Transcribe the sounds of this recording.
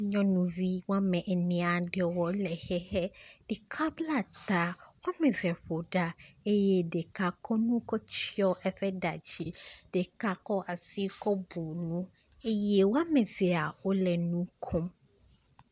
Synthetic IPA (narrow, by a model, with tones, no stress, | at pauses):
ɲɔ̃˦nũ˨vi˦wa˦mɛ̃˨ʔɛ˨nɛ̃˨a˨ɖe˨wɔ˨lɛ˨xɛ˦hɛ˦ɖ̥e˨kʰa˦bla˦˨t̪a˨wɔ˦a˦mẽ˨vɛ˨ɸo˨ɖa˨e˦jɛ˦ɖe˨ka˨kɔ˦nũ˦kɔ˦t͡ɕi˦ɔ˦ʔɛ˦ɸɛ˦ɖa˨d͡ʑi˨ɖ̥e˨ka˨kɔ˦ʔa˨si˦kɔ˦bu˨nũ˦ | e˦jɛ˦wo˦a˦mẽ˨vɛ˨a˨wo˦lɛ˨nũ˦kʰɔ̃˦m